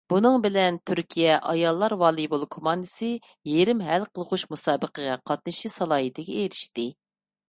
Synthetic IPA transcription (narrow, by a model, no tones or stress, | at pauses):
b̥unɨŋbɪlɛnt̪ʰyɾkʲʰijɛʔɑjɑlˠːɑɾwɑːlˠibolˠkʰomɑnd̪ɨsɪ | jeɾɪmɦɛlqʰəlˠʁuʃmusɑːbəqʰəʁɑqʰɑt̪̚nɨʃisɑlˠɑːɦit̪ʰɪɡʲɛeɾɪʃt̪ɪ